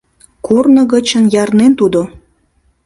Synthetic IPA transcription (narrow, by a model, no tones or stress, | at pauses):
kurnəɣət͡ɕənjɑrnent̪ud̪o